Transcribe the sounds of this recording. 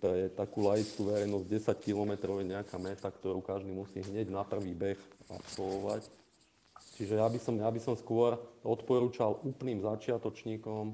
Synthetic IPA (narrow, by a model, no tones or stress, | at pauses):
t̪ɔjɛt̪akuːlajit͡skuʋɛɾɛjnɔzɟɟɛsackilɔmɛt̪ɾɔʊjɛɲɛakamɛt̪akt̪ɔɾuːkaʒd̪imusiːɦɲɛɟnapr̩ʋiːbɛxa̰psɔʋɔʋa̰c | t͡ʃiʒɛjabisɔmjabisɔmskʊɔɾɔt̪pɔɾuːt͡ʃalʔuːpniːmzat͡ʃɪat̪ɔt͡ʃɲiːkɔm